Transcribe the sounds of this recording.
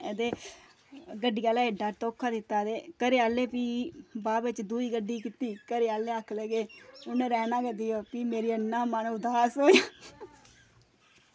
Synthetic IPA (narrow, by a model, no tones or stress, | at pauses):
ɛːd̪eː | ɡəɖːiːaːlaːɪɖaːt̪oːkʰːaːd̪ɪt̪ːaːd̪eːkəɾeːaːleːpiːbaːbɪt͡ʃd̪uːiːɡəɖiːkit̪iːkəɾeːaːlẽːəkʰlɛɡeːʊneːɾɛːnãːkəd̪iːjoːpiːmeːɾiːənːãːmənʊd̪aːsoːjaː